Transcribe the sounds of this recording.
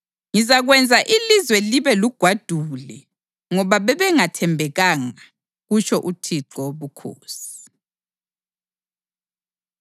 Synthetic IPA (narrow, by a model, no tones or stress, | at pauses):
ŋizaɣwɛnd͡zʱaʔilizwɛliβɛluɡ̥ʱwad̥ʱulɛ | ŋɔβaβɛβɛŋatʰɛmbʱɛɣaŋa | ɣut͡ʃʰɔʔutʰiǁɔβukʰo̰ːsi̥